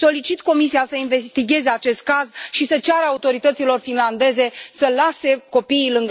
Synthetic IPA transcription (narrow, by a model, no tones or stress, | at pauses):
so̞lit͡ʃit̪ko̞misiasəinve̞st̪iɡʲe̞ze̞at͡ʃe̞st̪̚kazʃisət͡ʃaɾəaut̪o̞ɾit̪ət̪silo̞rfinland̪e̞ze̞səlase̞ko̞piːlɨŋɡ